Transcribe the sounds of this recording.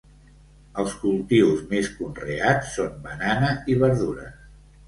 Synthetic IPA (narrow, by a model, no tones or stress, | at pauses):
əlˠskulˠt̪iwzmeskunreat͡sːombənanəiβəɾðuɾə̰